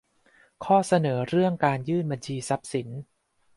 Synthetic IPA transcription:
kʰɔː˥˩sa˧nɤː˩˦ɾɯ˥˩əŋkaː˧njɯː˥˩nba˧nt͡ɕʰiː˧sa˦˥p̚si˩˦n

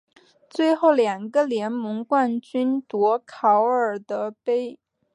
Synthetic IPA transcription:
t͡swe˥˧ɪxo˥˩ʊljɑ˨˩ŋɡə˧ljɛ˧˥nmɤ˧˥ŋkwa˥˩nt͡ɕy˥nt̪wɔ˧˥kʰɑ˧˥ʊə˞˨˩d̪ə˦pe˥ɪ

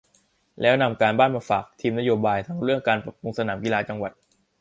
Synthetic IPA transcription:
lɛː˦˥wna˧mkaː˧nbaː˥˩nmaː˧faː˨˩k̚t̪ʰiː˧mna˦˥joː˧baː˧jt̪ʰa˦˥ŋɾɯ˥˩əŋkaː˧npɾa˨˩p̚u˧ŋsa˧naː˩˦mki˧laː˧t͡ɕa˧ŋwa˨˩t̪̚

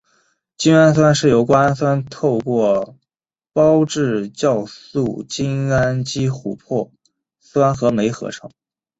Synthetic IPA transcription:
t͡ɕi˥ŋa˥ns̬wa˥nʂɻ̩˥˩jo˧˩ʊkwa˥na˥nswa˥nt̪ʰo˥˧ʊkwɔ˥˩ | pɑ˥ʊʈ͡ʂɻ̩˥˧t͡ɕjɑ˥˧ʊsu˥˩t͡ɕi˥na˥nt͡ɕi˥xu˨˩pʰwɔ˥˩ | swa˥nxɤ˧˥me˧˥ɪxɤ̰˧˥ʈ͡ʂʰɤ˧˥˦ŋ

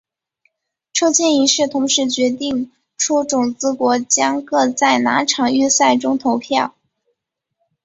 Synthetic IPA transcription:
ʈ͡ʂʰo˥ʊt͡ɕʰjɛ˥ni˧˥ʂɻ̩˥˩t̪ʰʊ˧˥ŋʂɻ̩˥˩t͡ɕɥɛ˧˥t̪i˥˩ŋ | ʈ͡ʂʰu˥ʈ͡ʂʊ˨˩ŋt͡sɹ̩˥kwɔ˧˥t͡ɕjɑ˥ŋkɤ˥˧t͡sa˥˩ɪna̰˧˥ʈ͡ʂʰɑ˨˩ŋy˥˧sa˥˩ɪʈ͡ʂʊ˥ŋt̪ʰo˧˥ʊpʰjɑ˥˩ʊ

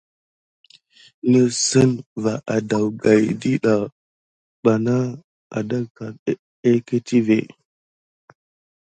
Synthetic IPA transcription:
ŋə˦sə˦nva˨ʔa˨da˨wɡa˨jdi˦ɗa˨ | ɓa˨na˦ | a̰˨da˦ka˨˦ | e˦ke˦ti˦vḛ˨

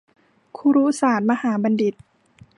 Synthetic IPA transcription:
kʰu˧ɾuː˦˥saː˨˩˦t̪̚ma˧haː˩˦ba˧ndi˨˩t̪̚

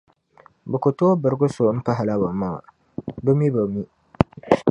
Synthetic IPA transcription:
bə˨kʊ˨to˦bə˨ɾɡʊ˦so˨˦m̩˦pa˦ɦa˨la˦ba˨ma˦˨a̰˨ | bə˦mi˦bə˨mi˦

